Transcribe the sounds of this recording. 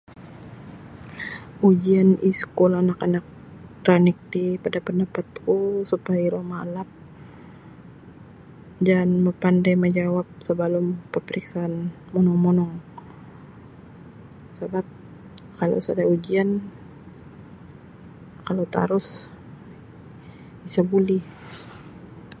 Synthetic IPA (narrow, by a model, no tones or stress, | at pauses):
ʔud͡ʒianiskulanakanak̚ | t̪ɾanik̚t̪ipadapəndapat̪̚kusupajaɾomalap̚ | danməpandajməd͡ʒawap̚səbəlumpəpəɾiksaːn | mɔnɔŋmɔnɔŋ | sabap̚ | kalo̰sadaud͡ʒian | kalot̪a̰ɾʊs | isabuli